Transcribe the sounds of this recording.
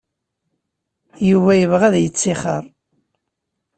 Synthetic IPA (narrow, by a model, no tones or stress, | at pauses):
juvæjəvʁæðjət͡sːiχə̰ɾˤ